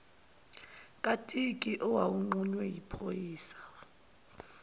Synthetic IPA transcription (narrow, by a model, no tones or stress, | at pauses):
kʼatʼikʼiʔɔwawuŋ͡ǃuɲwɛjipʰojiːsḁ